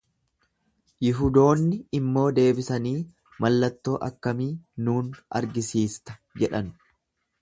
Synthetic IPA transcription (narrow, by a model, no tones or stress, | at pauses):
jɪɦʊd̪o̞ːnːɪɪmːo̞ːd̪e̞ːbɪsɐniː | mɐlːɐt̪ːo̞ːʔɐkːɐmiːnuːnʔɐ̰ɾɡɪsiːst̪ɐ̥d͡ʒɛᶑɐn